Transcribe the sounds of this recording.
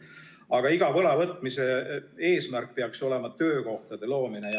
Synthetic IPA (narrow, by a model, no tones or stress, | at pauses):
ɑɡ̥ɑiɡ̥ɑvɤlɑvɤt̪ˑmise̞e̞ːsmærk̚peɑkso̞le̞mɑt̪ø̞ːko̞ht̪ɑd̪̥e̞lo̞ːmine